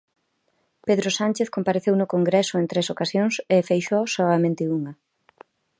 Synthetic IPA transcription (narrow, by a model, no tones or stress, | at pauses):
peðɾʊsant͡ʃeθkompaɾeθewnʊkoŋɡɾɛsʊent̪ɾesokasjoŋsefejʃosoamẽnt̪ɪuŋɐ